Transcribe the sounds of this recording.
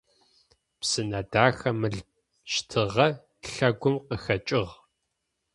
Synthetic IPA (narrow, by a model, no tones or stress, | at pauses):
psɨnɐdaːxɐmɨɮ | ʃtʰɨʁɐ | ɬɐɡʷʊmqəxɐt͡ʃʼɪʁ